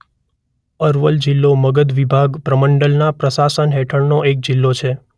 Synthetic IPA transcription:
əɾʋəld͡ʒilːoməɡəd̪ʋibʱaɡpɾəməɳɖəlnapɾəsasənɦɛʈʰəɳnoʔek̚d͡ʒilːot͡ʃʰe

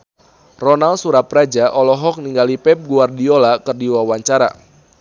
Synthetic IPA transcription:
rɔnalsuɾapɾad͡ʒaʔɔlɔɦɔk̚niŋɡalipɛp̚ɡuardiolakɨrdiwawaɲt͡ʃaɾa̰

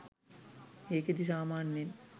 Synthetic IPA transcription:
eːkɐd̪is̬aːmaːnːin

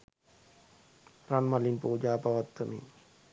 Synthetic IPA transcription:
ɾanmalinpuːd͡ʒaːpaʋat̪ːəmḭ

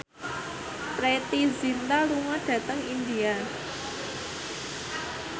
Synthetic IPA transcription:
pɾet̪izint̪aluŋaɖ̥ä̤t̪əŋind̪ia

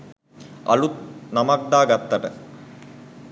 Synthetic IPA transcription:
ɐ̰lut̪namak̚d̪aːɡat̪ːɐʈə

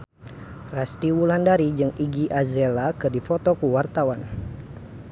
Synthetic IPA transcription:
rast̪iwulandaɾid͡ʒɨŋiɡiʔazelakɨrdifɔt̪ɔkuwart̪awan

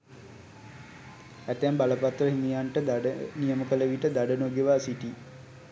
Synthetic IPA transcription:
æt̪æmbaləpat̪rəɦimijaɳʈəd̪aɖənijəməkələʋiʈəd̪aɖənoɡeʋasiʈi

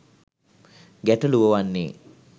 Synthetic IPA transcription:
ɡæʈɐluʋəʋanːḛː

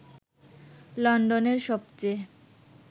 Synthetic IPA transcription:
lɔɳɖoneɾʃɔb̚t͡ɕe

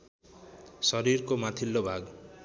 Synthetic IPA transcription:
sʌɾiɾkomat̪ʰilːobʱaɡ

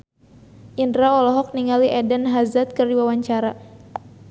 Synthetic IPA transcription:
ʔindɾaɔlɔɦɔk̚niŋaliʔɛdənɦazat̪̚kɨrdiwawaɲt͡ʃaɾa

